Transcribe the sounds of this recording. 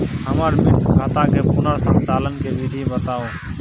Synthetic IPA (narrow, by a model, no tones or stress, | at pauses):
ɦəmaːɾmɪt̪kʰaːt̪ãːkeːpʊnəɾsã̰ːt̪aːlənkeːʋiːɖʱĩbət̪aːoː